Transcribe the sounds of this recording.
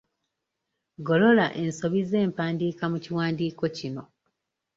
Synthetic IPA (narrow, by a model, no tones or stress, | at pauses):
ɡo̞lo̞laʔenso̞βize̞ːmpaːndiːkamuciwaːndiːko̞cino̞